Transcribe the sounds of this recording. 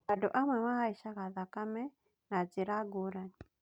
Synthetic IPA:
aduʔamwɛmahaiʃakaðakamɛ | nad͡ziɾaɡuɾani

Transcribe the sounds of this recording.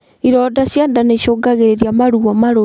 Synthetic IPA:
iɾɔdaɕjandaneɕoːɡaɣeɾeɾjamaɾuamaɾo

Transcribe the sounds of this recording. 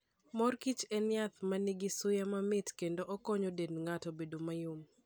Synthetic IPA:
mɔrkit͡ʃɛnɪat̪maniɡɪsʊjamamɪtkendoʔɔkɔɲodenŋatɔbedomajʊm

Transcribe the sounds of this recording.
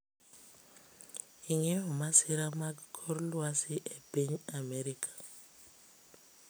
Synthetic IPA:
iŋɛɔmasɪɾamaɡkʰɔɾlwasɪʔepiɲamɛɾikʰḁ

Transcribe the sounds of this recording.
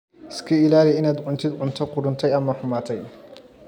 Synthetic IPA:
ɪskʰɐɪlaːlɪjɪnaːd̪ʕʊnt̪ʰɪd̪ʕʊnt̪ʰɔqʊɾʊnt̪ʰɛjɐmɐħʊmaːt̪ʰɛj

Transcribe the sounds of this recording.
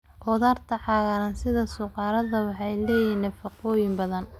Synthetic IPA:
ʔɔːðaːrt̪ʰɐħɑːɣɐɾɐnsɪðɐsʊqɑːɾɐðɐwɑħɑjlɛːjiːnɐfɑqɔːjɪmbɐðɐn

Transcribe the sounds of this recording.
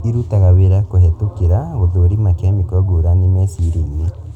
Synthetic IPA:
iɾutaɣaweɾakohɛtokeɾaoðoɾimakamikɔɡoɾanimɛsiɾine

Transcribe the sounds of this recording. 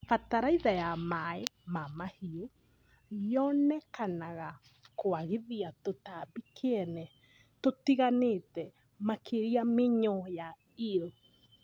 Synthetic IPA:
fataɾaiðajamaemamahio | jɔnɛkanaɣa | koaɣeðiatotabikʰeɛnɛ | totiɣaneːtɛ | makʰeɾiameɲɔja | iɾo

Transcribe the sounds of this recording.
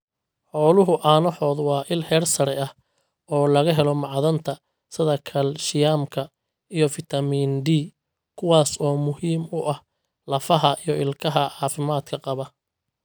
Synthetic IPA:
ħɔːlʊɦʊʔaːnɔħɔːd̪wɑːʔɪlhɛːrsɐɾɛɐh | ɔːlɐɣɐɦɛlɔmɑʕðɐnt̪ʰɐ | sɪðɐkʰɐlʃɪjaːmkʰɐ | ijɔfɪt̪ʰɐmiːnɖiː | kʰʊwɑːsɔːmʊhiːmʊʔɐh | lɐfɐɦɐʔijɔɪlkʰɐɦɐʕɑːfɪmaːd̪kʰɐqɑβɐ

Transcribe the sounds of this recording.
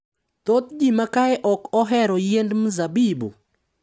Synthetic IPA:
t̪ot̪̚d͡ʒimakaɛʔɔkɔɦɛɾɔjendmzabibṵ

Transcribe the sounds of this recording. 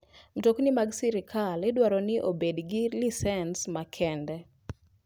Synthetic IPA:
m̩toknɪmaɡsiɾɪkʰalɪdwaɾɔnɪʔobedɡɪlisɛnsmakʰɛndɛ

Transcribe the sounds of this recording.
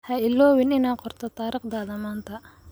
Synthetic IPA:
hɐɪlːɔːwɪnɪnaqɔɾt̪ɐt̪aːɾɪqd̪aːd̪ɐmaːnt̪ʰɐ

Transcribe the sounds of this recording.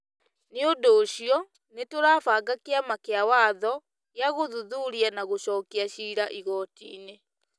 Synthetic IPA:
neondoːɕiɔ | netoɾaːfaːɡakeamakeawaːðɔ | jaɣoðuðuɾianaɣoɕɔːkiaɕiːɾaʔiɣɔːtḭːne

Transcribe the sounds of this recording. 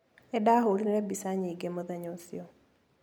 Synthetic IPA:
ɛdaɦolineɾɛbisaɲiɡemɔðaɲonsiɔ

